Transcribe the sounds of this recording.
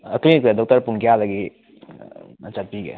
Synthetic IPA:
ɐklinkadɔk̚tɐɾpunkijadɐɡi | ɐt͡ʃapiɡḛ

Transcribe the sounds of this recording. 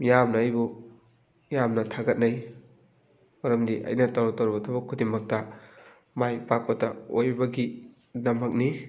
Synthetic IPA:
jamnaːjbu | jamnɐtʰaɡɐt̚naj | mɐɾɐmdiʔa̰jnɐtaɾɔtaɾbɐtʰɐbɐkʰudimɐk̚tɐ | majpak̚pɐtɐojbɐɡi | nɐmɐk̚ni

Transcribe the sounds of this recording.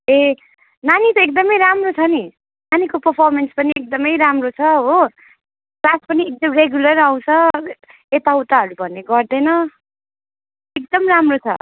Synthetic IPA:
e | nanit̪ʌek̚d̪ʌmʌjɾamrot͡sʰʌni | nanikopʌrpʰarmenspʌniek̚d̪ʌmʌjɾamrot͡sʰʌɦo | plaspʌniek̚d̪ʌmreɡjulʌɾaw̃t͡sʰʌ | et̪awt̪aɦʌɾubʱʌnːeɡʌrd̪ʌjnʌ | ek̚d̪ʌmramrot͡sʰʌ̰

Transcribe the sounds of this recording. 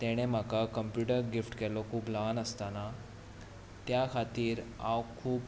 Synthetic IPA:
t̪ɛɽ̃em̤akakəmpjuʈəɾɡifʈkɛlɔkʰuːplanəst̪ana | t̪jakʰat̪iːɾawkʰuːp

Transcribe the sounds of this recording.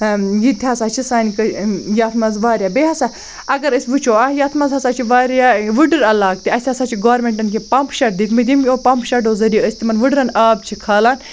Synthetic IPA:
jit̪ʰʲaːsaːt͡ʃʰisaːnikɐjaːt̪ʰmɐzʋaːɾjaːbeːɦɐsaː | ɐɡɐɾəsʲʋɨt͡ʃʰoːaːjaːt̪ʰmɐzɦɐsaːt͡ʃʰiʋaːɾʲjaːʋɨɖɨɾɐlaːk̚t̪iɐsʲaːsaːt͡ʃʰiɡaːɾmeɳʈɐnk̬epɐmpʃɐʈ̚d̪ik̪ʰmɨd̪ʲimʲoːpɐmpʃɐʈoːzɐɾijɐəsʲt̪imɐnʋɨɖɾɐnaːb̚t͡ʃʰikʰaːlaːn

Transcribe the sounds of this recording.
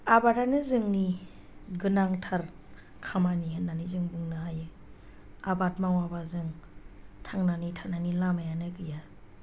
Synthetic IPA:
abatanɯzɯŋni | ɡɯnaŋtʰaɾ | kʰamaniɦɯnːanizɯŋbɯŋnɯɦajɯ | abatmaŋwabazɯŋ | tʰaŋnanitʰananilamajanɯɡɯja

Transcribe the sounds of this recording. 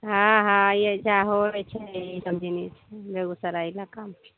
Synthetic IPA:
ɦãɦãjed͡ʒaɦoɾɛt͡ʃʰɛisəmd͡ʒʱinit͡ʃʰɛbeɡusəɾailakamt͡ʃʰi

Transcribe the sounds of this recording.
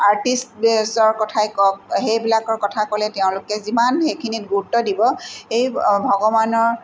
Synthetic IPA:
aɹtistbsɔɹkɔtʰajkɔkɦejbilakɔɹkɔtʰakolɛteʊ̃lʊkɛzimanxejkʰinit̚ɡuɹutːɔdibɔejbʱɔɡɔbanɔɹ

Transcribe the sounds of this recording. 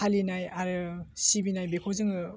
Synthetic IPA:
alinajaɾɯsibinajbekʰowzɯŋɯ

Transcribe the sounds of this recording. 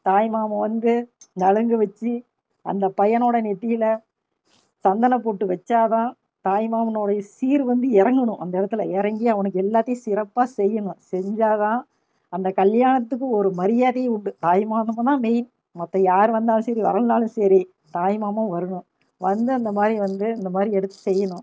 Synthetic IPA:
t̪aːjmaːmɐ̃ʋɐnd̪ɯnɐɻɐŋɡɯʋɐt͡ʃːi | ɐ̰nd̪ɐpɐjɐnoːɽɐnɛʈːɪjɪlɐ | sɐnd̪ɐnɐpoːʈːɯʋɐt͡ʃːaːt̪ãː | t̪aːjmaːmɐnoːɽɐjɐsiːɾʋɐnd̪ɯɪɾɐŋɡɐɳʊ̃ʔɐnd̪ɐɛːɽɐt̪ːɯlɐɪɾɐŋɡiɐʋɐnɯk̬ːɛlːaːt̪ːɐj̃sɪɾɐpːaːsɛjːɐɳʊ̃sɛɲd͡ʒaːt̪ãː | ɐnd̪ɐkɐljaːɳɐt̪ːɯkːɯɔɾɯmɐɾɪjaːðeːʊɳɖɯt̪aːjmaːnɐmɐ̃t̪ãːmɛjɪn | mɐt̪ːɐ̃jaːɾʋɐnd̪aːlɯ̃sɐɾiʋɐ̰ɾɐnd̪aːlɯ̃sɐɾi | t̪aːjmaːmɐʋɐɾɯɳʊ̃ | ʋɐnd̪ɯɐnd̪ɐmaːd̪ɾiʋɐnd̪ɯɪnd̪ɐmaːd̪ɾiɛɽɯt̪ːɯ̥sɛjːɐɳʊ̃

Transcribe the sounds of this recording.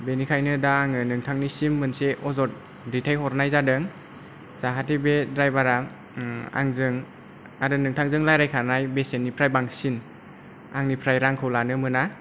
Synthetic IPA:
benikʰajnɯdaːŋɯnɯŋtʰaŋnisimːɯnseʔɔzɔt̚ | ditʰajɦɔɾnajzadɯŋ | zaɦatibedɾajbaɾa | a̰ŋzɯŋ | aɾɯnɯŋtʰaŋzɯŋlajɾajkʰanajbesenːipʰɾajbaŋsin | aŋnipʰɾajɾaŋkʰɯwlanɯmɯna

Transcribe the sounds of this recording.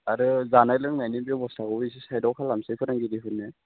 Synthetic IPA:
aɾɯzanajlɯŋnajnibebɔstʰakɔisisajdɔwkʰalːamsɯjpʰɯɾaŋɡidiɦɯnːe

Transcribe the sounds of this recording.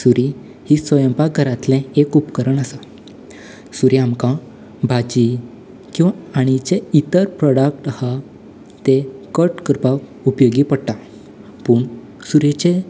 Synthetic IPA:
suɾi | hisʋəjəmpaɡʱəɾat̪lɛ̃ekupkəɾəɳəsa | suɾiamkã | bʱad͡ʑi | kĩw̃ʋaaɽ̃it͡ɕeit̪əɾpɾɔɽək̚ʈha | t̪ekəʈkɾpaʋ | upjoɡipəɽt̪a | puːɳ | suɾet͡ɕe

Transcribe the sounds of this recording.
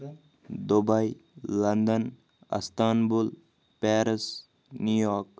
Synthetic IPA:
d̪obajlɐnd̪ən | ɐ̰st̪aːnbul | peːɾəs | nujɔːk

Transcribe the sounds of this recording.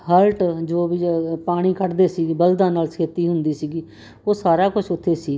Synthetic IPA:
ɦəlʈd͡ʒoːbipaːɽ̃iːkʰəʈd̪eːsiːɡiːbəld̪ãːnaːlskʰeːt̪iːɦʊnd̪iːsiːɡiː | oːsaːɾaːkʊt͡ʃʰʊt̪ʰːeːsiː

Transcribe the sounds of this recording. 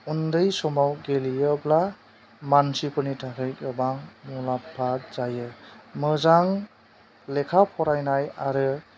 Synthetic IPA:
undɯjsɔmawɡelijɯbla | mansipʰɯnitʰakʰɯjkɯbaŋmulapʰːaz̥ajɯmɯzaŋ | lekʰapʰɔɾajnajaɾɯ

